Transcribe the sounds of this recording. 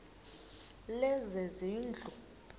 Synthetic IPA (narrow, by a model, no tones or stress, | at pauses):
lɛzɛziːnd͡ɮʱu